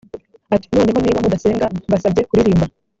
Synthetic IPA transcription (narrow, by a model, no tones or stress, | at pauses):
ati̥no̞ːne̞ɦoniːβamudase̞ːŋɡaβasabje̞kuɾiɾiːmba